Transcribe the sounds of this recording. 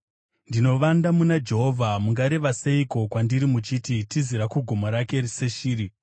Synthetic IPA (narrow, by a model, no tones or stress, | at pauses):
ndino̞ʋandamunad͡ʒe̞ɦo̞vʱamuŋɡaɾe̞ʋase̞iko̞kwandiɾimut͡ʃititiziɾakuɡʱomoɾake̞rise̞ʃiːɾi